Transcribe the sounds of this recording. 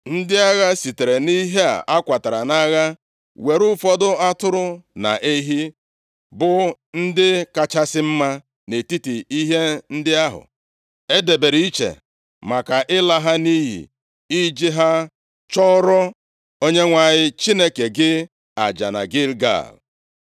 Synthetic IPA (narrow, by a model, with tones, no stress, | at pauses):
n̩˦dɪ˦a˦ɣa˦si˨te˨ɾe˨ni˦ɦe˦a̰˨ʔa˦kʷa˨ta˨ɾa˨na˦ɣa˦ | we˨ɾu˦fɔ˦dʊ˦a˦tʊ˦ɾʊ˦na̰˨ʔe˦ɦi˦ | bʊ˨n̩˦dɪ˦ka˨t͡ʃa˦sɪ˦m̩˦ma˦ | ne˨ti˦ti˨i˦ɦe˦n̩˦dɪ˦a˦ɦʊ̰˨ | e˦de˨be˨ɾi˨i˦t͡ʃḛ˨ | ma˨ka˨ʔɪ˦la˦ɦa˦ni˦ɦḭ˨ | i˦d͡ʒi˦ɦa˦ | t͡ʃɔ˦ɾɔ˦ | o˦ɲe˦ŋʷa˨ɲɪ˦t͡ʃi˦ne˦ke˨ɡɪ˦ | a̰˨d͡ʒa̰˨na̰˨ɡɪ˦lɡa̰˨l